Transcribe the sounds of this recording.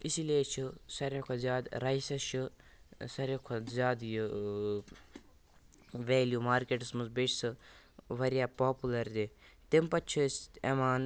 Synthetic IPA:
isiliet͡ʃʰisɐɾekʰozjaːd̪ɾaisɐʃʰi | sɐɾekʰozʲjaːd̪j | ʋeːljuːmaːɾkeʈsmuzbeʈsɨ | ʋɐɾijaːpaːpulɐɾd̪et̪empɐt͡ʃʰisemaːn

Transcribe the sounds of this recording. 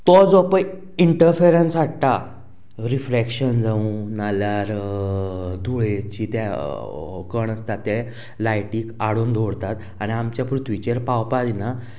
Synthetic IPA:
t̪ɔd͡zɔpə | iɳʈəɾfeɾensʋaʈʈ̪a | ɾifɾekʂənd͡zaũnaljaɾ | d̪ʱuɭet͡ɕit̪a | kəɳəst̪at̪ːe | lajʈiːkaɽuːnd̪ʱoɽt̪at̪ | añiamt͡ɕjapɾut̪ʰʋit͡ɕeɾpawpalina

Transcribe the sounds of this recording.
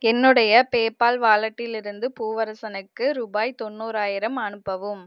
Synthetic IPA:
ɛnːɯɽɐjɐpeːpaːlʋaːlɐʈːɪlɪɾɯnd̪ɯpuːʋɐɾɐsɐnɯkːɯɾuːbaːjt̪ɔnːuːɾaːjɪɾɐmɐnɯpːɐʋɯm

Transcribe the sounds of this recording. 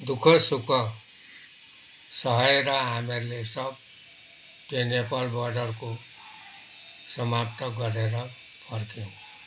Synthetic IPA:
d̪ukʰʌsukʰʌ | sʌɦʌeɾʌɦameɾulesʌb̚ | t̪enepalbʌrɖʌrko | sʌmapt̪ʌɡʌɾeɾʌ | pʰʌrkew̃

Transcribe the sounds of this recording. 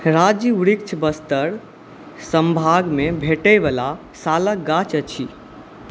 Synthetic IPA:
ɾad͡ʒiuɽikt͡ʃʰbəst̪əɾ | səmbʱaɡmebʱeʈəjbəla | salək̚ɡat͡ʃət͡ʃʰi

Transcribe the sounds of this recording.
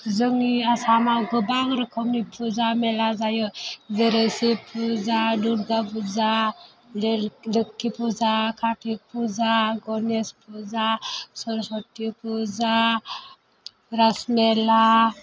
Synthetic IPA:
zɯŋiasamawɡɯbaŋɾɯkʰɔmnipʰuzamelazajɔzeɾesipʰuzaduɾɡapʰuza | lelɯkːipʰuzakʰaʈʰipʰuzaɡɔnespʰuzasɔɾsɔʈːipʰuza | ɾasmela

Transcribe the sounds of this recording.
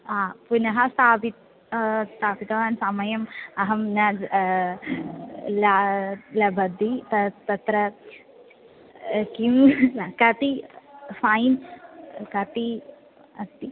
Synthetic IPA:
aːpunɐɦɐst̪aːbit̪ | t̪aːbit̪ɐʋɐnsamɐjɐmɐɦɐmnɐd͡ʒ | lalɐbɐd̪it̪ɐt̪ɐt̪ɾɐ | kimɐkɐt̪ifaːin | kɐt̪i | ɐst̪i

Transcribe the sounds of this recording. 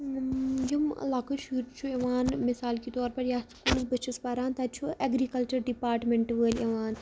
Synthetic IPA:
d͡ʒɐm̰laːkɐʃuːɾt͡ʃʰueʋaːnmɪsaːlkit̪ɔːɾpɐɾjaːskuːlsbɐt͡ʃʰɐspaːɾaːnt̪at͡ʃʰuɐɡɾikɐlt͡ʃɐɾɖipaːɾʈmeɳʈʋəːlɐʋaːn

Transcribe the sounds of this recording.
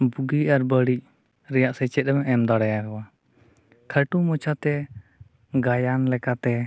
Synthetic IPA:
buɡiaɾbəɽic̚ | ɾɛjaʔsɛt͡ʃɛt̪̚ɛmɛʔɛmd̪aɽajaɦɔwa | kʰəʈumɔt͡ʃʰat̪ɛ | ɡajanlɛkat̪ɛ

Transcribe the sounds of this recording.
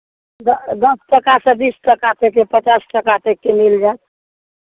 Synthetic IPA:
d̪d̪əsʈəkasə̃bisʈəkat̪ekepət͡ʃasʈəkat̪ekːemild͡ʒaet̪̚

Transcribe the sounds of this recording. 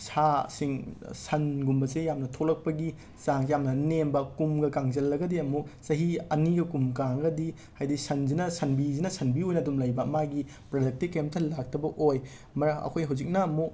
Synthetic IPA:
sʰasiŋsɐnɡumbɐsejamnɐtʰolɐk̚pɐɡi | zaŋjamnɐnembɐkumɡɐkaŋzɐlːɐɡɐdiɐmusɐɦiɐniɡɐkumkaŋɡɐdi | hajdisɐnzinɐsɐnbizinɐsʰɐnbiojnɐːdumlɐjbɐɐmaɡi | pɾɐdɐk̚tikːemtʰɐlak̚tʰɐbɐʔoj | mɐɾɐʔɐ̰kʰojɦawzik̚nɐːmu

